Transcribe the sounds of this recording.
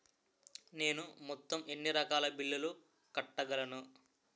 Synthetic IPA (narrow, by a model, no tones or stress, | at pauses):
ne̞ːnumɔt̪ːɐme̞ɳːiɾɐkaːlɐbiɭːɐlu | kɐʈːɐɡɐlɐnu